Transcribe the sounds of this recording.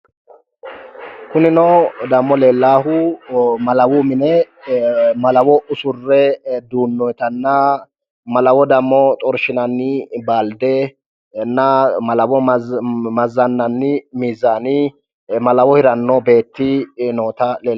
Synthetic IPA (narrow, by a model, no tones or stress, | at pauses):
kʊnɪnɔd̪ɐmːɔleːlːaːhʊmɐlɐwʊmɪnɛ | mɐlɐwɔʔʊsʊrːɛd̪uːnːɔjt̪ɐnːɐ | mɐlɐwɔd̪ɐmːɔt̪ʼɔɾʃɪnɐnːɪbaːld̪ɛ | nːɐmɐlɐwɔ | mɐzːɐnːɐnːɪmiːzːaːnɪ | mɐlɐwɔhɪɾɐnːɔbe̞ːt̪ːɪnoːt̪ɐleː